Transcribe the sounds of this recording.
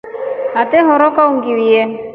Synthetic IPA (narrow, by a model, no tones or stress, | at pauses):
at̪ɛɦɔɾɔkauŋɡiwiɛ